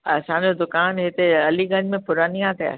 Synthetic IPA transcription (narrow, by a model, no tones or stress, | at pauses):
ɐsãːɲd͡ʑod̪ʊkaːnɦɪt̪eɐliɡɐ̃ɲd͡ʑmẽpʊɾaːnijãt̪ʰɐja̰